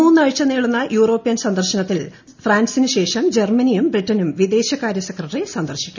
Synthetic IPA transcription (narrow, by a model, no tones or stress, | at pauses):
uːnːɨɐɻt͡ɕːɐniːɭunːɐjuːro̞ːpːɐjɐnsɐnd̪ɐrɕɐnɐt̪ːil | fraːnsinɨɕe̞ːʂɐmd͡ʑermɐnijumbriʈːɐnumʋid̪e̞ːɕjɐkaːɾjɐsekrɐʈːrisɐnd̪ɐrɕi̥kʲːu̥